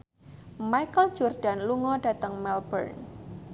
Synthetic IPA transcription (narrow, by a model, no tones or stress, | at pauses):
majkəl̥d͡ʒɔrɖ̥a̤nluŋɔɖ̥ä̤t̪əŋmɛlbə̰rn